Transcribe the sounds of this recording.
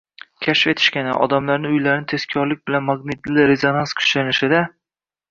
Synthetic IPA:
kʲʰaʃfe̞t̪ʰɪ̥ʃkʲanɪ̰ʔɒ̰d̪amlaɾnɪʊjlaɾɪnɪt̪ʰe̞skʲʰɒɾlɪk̚ʲbɪlanmaɡnɪt̪lɪɾe̞zonanskʲʰʊ̥t͡ʃlanɪʃɪd̪a

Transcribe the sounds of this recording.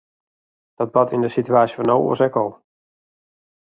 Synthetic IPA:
d̥ɔt̚batʰindəsityaːsjəfɔnowo̰əsɛkɔlˠ

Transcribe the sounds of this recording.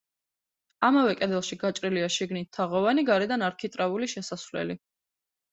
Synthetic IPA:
amavɛkʼɛd̪ɛlˠʃiɡat͡ʃʼɾiliaʃiɡnit̪ʰːaʁɔvaniɡaɾɛd̪anaɾkʰit̪ʼɾauliʃɛsasvlɛ̰li

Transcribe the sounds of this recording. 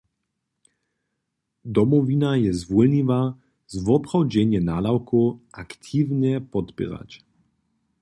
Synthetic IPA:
d̪ɔmɔvinajɛzʋɔlniva | zvɔpʁɔwd͡ʒɛɲiɛnaːlawkʰoʔakt̪ʰiːvɲɛpɔt̪pʲɛ̰ɾa̰c

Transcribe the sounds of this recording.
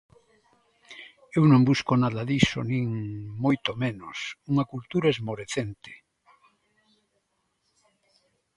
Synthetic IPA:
ewnõmbuskonaðaðiso̰nĩŋmojt̪omẽnosuŋakult̪uɾaezmoɾeθent̪e̥

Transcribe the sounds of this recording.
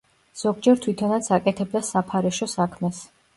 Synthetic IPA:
z̥ɔɡd͡ʒɛɾt̪ʰwit̪ʰɔnat̪sʰakʼɛt̪ʰɛb̚d̪asapʰaɾɛʃɔsakʰmɛs

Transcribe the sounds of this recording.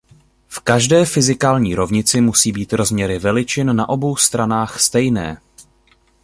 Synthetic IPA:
fkaʒdɛːfɪzɪkaːlɲiːɾo̞vɲɪt͡sɪmusiːbiːt̪ɾo̞zmɲɛɾɪvɛlɪt͡ʃɪnnaʔo̞bo̞wst̪ɾanaːxst̪ɛjnɛː

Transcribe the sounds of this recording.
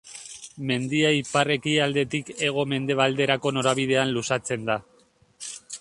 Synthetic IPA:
me̞nd̪iaipare̞kiald̪e̞t̪ike̞ɣ̞o̞me̞nd̪e̞β̞ald̪e̞ɾako̞no̞ɾaβið̞e̞anlusat͡se̞nd̪a

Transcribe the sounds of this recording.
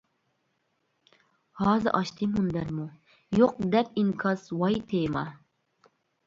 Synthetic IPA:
hɑːzɨ̰ʔɑʃt̪ʰɨmund̪æɾmu | joq̚d̪ɛpiŋkʰɑswɑjt̪ʰemɑ

